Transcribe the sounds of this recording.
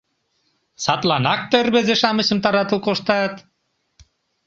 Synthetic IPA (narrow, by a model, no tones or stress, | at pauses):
sɑt̪lˠɑnɑk̚t̪erβezeʃɑmə̆ɕə̆mt̪ɑɾɑt̪ə̆lkoʃt̪ɑt̪